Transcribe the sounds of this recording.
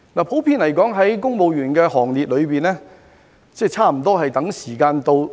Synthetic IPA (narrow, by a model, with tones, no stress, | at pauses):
naː˨˩pʰo˨˥wpʰiː˧nlɐ˨˩jkɔː˨˥ŋɦɐ˨˥jkʊ˥ŋpo˨wjyː˨˩nkɛː˧hɔː˨˩ŋliː˨t̚lɵ˨˧ɥpiː˨nlɛː˥ | t͡sɛː˥˧t͡sʰaː˥˩m̩˨˩t̪ɔː˥ɦɐ˨jt̪ɐ˨˥ŋsiː˨˩kaː˧nt̪o˧w